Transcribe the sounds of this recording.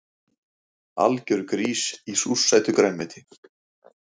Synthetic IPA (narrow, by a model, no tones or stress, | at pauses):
a̰lcʏɾkɾiːsisusːajt̪ʏkɾaːnmɪːt̪ʰɪ